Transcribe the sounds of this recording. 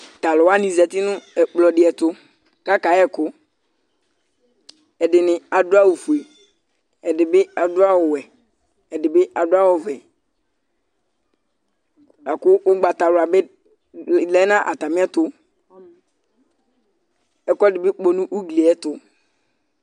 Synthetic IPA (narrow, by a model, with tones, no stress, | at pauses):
t̪a˨lɔ˨wa˦nĩ˨zɛ˨t̪ɪ˦nʊ̃˦ɛ˨k͡plɔ˨dɪ˨˦ɛ˨t̪ʊ˦ | ka˦ka˨˦ɛ˦kʊ˦ | ɛ˨dɪ˨nɪ̃˨a˨dʊ˦a˦wu˨fu˨e˨ | ɛ˨dɪ˨bɪ˦a˨dʊ˦a˦wɔ˨wɛ˨ | ɛ˨dɪ˨bɪ˦a˨dʊ˦a˦wɔ˨vɛ˨ | a˨kʊ˦ʔʊ˦ɡ͡ba˨t̪a˨lʊ˨a˨bɪ˦ | lɛ˦nã˦ʔa˨t̪a˨mɪ̃˦ɛ˦t̪ʊ˦ | ɛ˨kɔ˦dɪ˨bɪ˦k͡po˨nʊ̃˦ʔu˦ɡle˨ɛ˦t̪ʊ˦